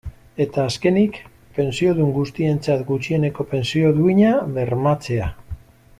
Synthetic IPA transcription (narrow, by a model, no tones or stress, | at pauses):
e̞t̪aːske̞nik | pe̞nsio̞ðuŋɡust̪ie̞nt͡sat̪ɡut͡ʃie̞ne̞ko̞pe̞nsio̞ðuiɲaβe̞ɾmat͡se̞a